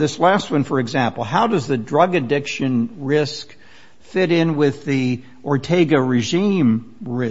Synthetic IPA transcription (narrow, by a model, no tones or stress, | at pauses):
ðɪslæst̚wʌ̃nfə˞ɨɡzæ̃mpl̩ˠɦaʊdʌzðɨdɹʌɡɨdɪkʃɨ̃nɹɪsk | fɪɾɪ̃nwɪði | ʔɔɹtʰeɪɡɨɹɨʒĩmɹɪ